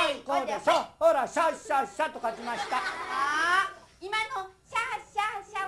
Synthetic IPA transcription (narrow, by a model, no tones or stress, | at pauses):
ikod̪esohoɾaɕaɕaɕat̪okakimaɕi̥t̪a | imanoɕaɕaɕa